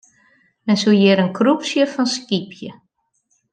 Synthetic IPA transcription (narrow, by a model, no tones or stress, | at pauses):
mɛnsujɪɾənkʰrupsjəfɔnskipʰjə